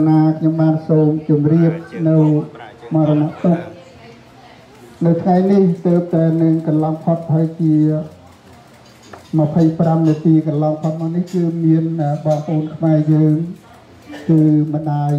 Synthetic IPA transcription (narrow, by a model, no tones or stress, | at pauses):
naːkʰɲomɓaːnsoːmt͡ɕumriəp̚nɨwmɑːɾɔnaʔt̪uk̚ | nɨwt̪ʰŋajniht̪əːp̚t̪aɛnɨŋkɑnlɑŋpʰot̪̚haəjt͡ɕiə | məpʰəjpramniət̪iːkɑnlɑŋpʰot̪̚maːnihkɨːmiənəɓɑːŋpʔoːnkʰmaɛjəːŋ | kɨːmə̆ɗaːj